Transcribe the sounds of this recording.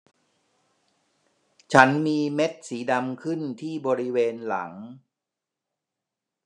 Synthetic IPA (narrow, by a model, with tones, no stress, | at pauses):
t͡ɕʰa˦˥nmiː˧me˦˥t̪̚siː˩˦da˧mkʰɯ˥˩nt̪ʰiː˥˩bɔː˧ɾi˦˥weː˧nla̰˩˦ŋ